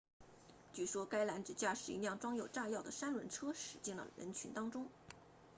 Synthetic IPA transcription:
t͡ɕy˥˩ʂwɔ˥ka˥ɪla˧˥nʈ͡ʂɻ̩˨˩t͡ɕja˥˩ʂɻ̩˨˩ḭ˧˥njɑ˥˩ŋʈ͡ʂwɑ˥ŋjo˨˩ʊʈ͡ʂa˥˧jɑ˥˩ʊd̪ə˩ʂa˥nɻə˧˥nʈ͡ʂʰɤ˥ʂɻ̩˨˧˥t͡ɕi˥˩ŋlə̰˨˩ɻə̰˧˥nt͡ɕʰy˧˥nt̪ɑ˥ŋʈ͡ʂʊ˥ŋ

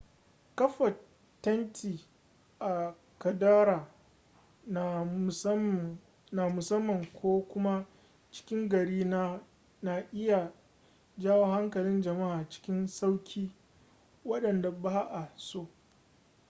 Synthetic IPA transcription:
kɐ˦ɸɐ˨ | tːɐ˦ntʰiː˨ | ʔa˨ | kɐ˨daː˦ɾaː˨˦ | na˨mʊ˨sɐ˦mːɐ˨ŋkʷʰoː˦kʷʊ˦ma˦ | t͡ʃɪ̥˦kʲɪ˦ŋɡɐ˨ɽiː˦n˦ | na˨ʔɪ˦ja˨ | d͡ʒaː˦woː˦ha˦ŋkɐ˨lɪ˦nd͡ʒɐ˨ma˦ʔaː˨t͡ʃɪ̥˦kʲɪ˦nsa˦wkʲʰiː˦ | wɐ˦ɗɐ˨nda˨baː˦ʔa˨soː˦

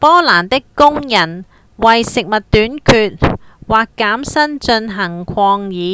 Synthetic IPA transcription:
pɔː˥laː˨˩nt̪ɪ˥kːʊ˥ŋjɐ˨˩n | wɐ˨jsɪ˨k̚mɐ˨t̚t̪ːyː˨˥nkʰyː˧t̚waː˨kːaː˨˥msɐ˥nt͡ʃɵ˧nɦɐ˨˩ŋkʷʰɔː˧ŋjiː˨˥

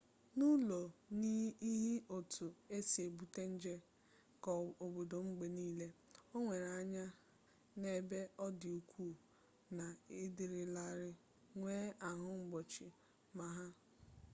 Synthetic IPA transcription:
nu˦lo˨ni˦i˦ɦi˦o˨tʰu˨e˦si˨e˨bu˨te˦n̩˦d͡ʒe˦ | kɔ˨o˨bo˨do˨ŋ͡m̩˦ɡ͡be˨niː˦le˦o˦ŋʷe˨ɾa˦ɲa˦ | ne˨be˦ɔ˦dɪ˨u˨kʰʷuː˦˨ | na˨ɪ˦dɪ˨ɾɪ˨la˦ɾɪ˦ | ŋʷeː˦ʔa˨ɦʊ˦ŋ͡m̩˦ɡ͡bɔ˨t͡ʃɪ˨ | ma˨ɦa˦

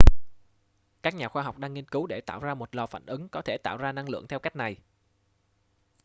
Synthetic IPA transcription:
kaː˦˥k̚ɲaː˨˩xwaː˧ɦa˨˩wk͡p̚ɗaː˧ŋːi˧nkɨ˨˦wɗe˧˩t̪a̰ː˧˨wzaː˧mo˨˩t̚lɔ˨˧˩fa̰ː˧˨nʔɨ˨˦ŋkɔ˨˦t̪ʰe˧˩t̪aː˧˨wzaː˧na˧ŋlɨ̰˧˨əŋt̪ʰɛ˧wka˦˥k̚na˨˩j

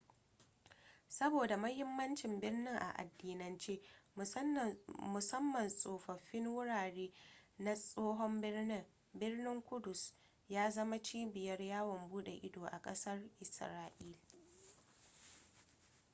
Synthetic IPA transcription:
sɐ˦boː˨da˨mɐ˦hɪ˦mːɐ˦nt͡ʃɪ˨mbɪ˦rnɪ˦ŋʔa̰˨ʔa̰˨dːiː˨nɐ˨nt͡ʃeː˦ | mʊ˨sɐ˦mːɐ˨nsʼoː˨ɸɐ˨ɸːɪ˦ŋwʊ˦ɽaː˨ɽeː˦na˦sʼoː˦ɦɔ˦mbɪ˦rnɪ˦ŋ | bɪ˦rnɪ˦ŋkʷʊ˦dʊ˨s | jaː˦zɐ˦ma˦t͡ʃiː˦bɪ˨jɐ˦rjaː˦wɔ˨mbuː˦ɗe˨ʔɪ˦doː˨ʔa˨kʼɐ˦sɐ˦rʔɪ˨sɾaː˦ʔiː˦l

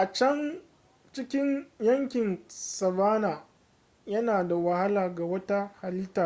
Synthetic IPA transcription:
ʔa˨t͡ʃɐ˦n | t͡ʃɪ˦kʲɪ˦njɐ˦ŋkʲɪ˨nsɐ˨baː˦naː˨ | jɐ˦naː˨da˨wa˨ha˦laː˨ɡa˨wɐ˦ta˦ha˨lɪ˦taː˨

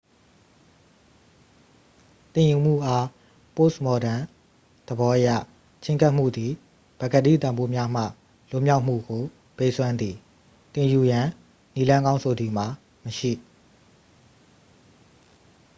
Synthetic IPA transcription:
t̪ɪ̃˨ju˨m̥ṵ˦˨ʔa˦ | po˦˨smɔ˨dã˨ | d̪̥əbɔ˦ʔəjä̰˦˨ | t͡ɕʰɪ̃˦ŋka˦ʔm̥ṵ˦˨d̪i˨ | b̥a˨ɡa˨dḭ˦˨t̪ã˨mbo˦mja˦m̥ä̰˦˨ | lʊ̰̃˦˨mja˦ʊʔm̥ṵ˦˨ɡo˨ | pe˦˨ʔsʰwã˦nd̪ði˨ | t̪ɪ̃˨ju˨jã˨ | ni˦lã˦ŋɡã˦ʊ̃nsʰo˨d̪i˨ma˨ | məʃḭ˦˨

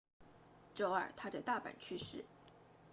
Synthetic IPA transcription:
ʈ͡ʂo˥˩ʊə̰˞˨˩t̪ʰa˥t͡sa˥˧ɪt̪a˥˩pa̰˨˩nt͡ɕʰy˥˧ʂɻ̩˥˩

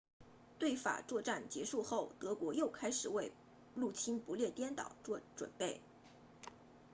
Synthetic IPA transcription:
t̪we˥˩ɪfa̰˨˩t͡swɔ˥˧ʈ͡ʂa˥˩nt͡ɕjɛ˧˥ʂu˥˧xo˥˩ʊt̪ɤ˧˥kwɔ˧˥jo˥˩ʊkʰa˥ɪʂɻ̩˨˩we˥˧ɪ | lu˥˩t͡ɕʰi˥npu˧˥ljɛ˥˩t̪jɛ˥nt̪ɑ̰˨˩ʊʈ͡ʂɔ˥˧ʈ͡ʂwə̰˨˩npe˥˩ɪ

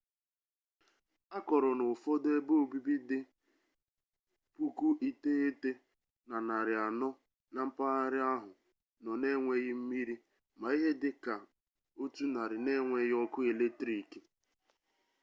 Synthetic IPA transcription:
a˦kɔ˨ɾɔ˨nʊ˨fɔ˦de˦bo˦˨bi˦bi˦dɪ˦ | pu˦ku˦ʔi˦te˦e˦te˦ | na˨na˨ɾɪ˨a˨nɔ˦ | na˨m̩˦pa˦a˦ɾɪ˦a˦ɦʊ˨ | nɔ˨ne˦ŋʷe˦ɣɪ˦m̩˦mi˦ɾi˦ | ma˨i˦ɦe˦dɪ˦ka˨ | o˦tu˦na˨ɾɪ˨ne˦ŋʷe˨ɣɔ˦kʊ˦e˨le˦tɾi˨ke˦

